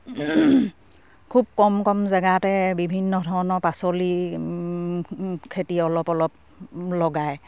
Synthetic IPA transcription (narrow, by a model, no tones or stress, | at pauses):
kʰub̚kɔmkɔmzɛɡatɛbibʱinːɔdʱɔɹɔnɔɹpasoli | kʰetiɔlɔpɔlɔp̚ | lɔɡaj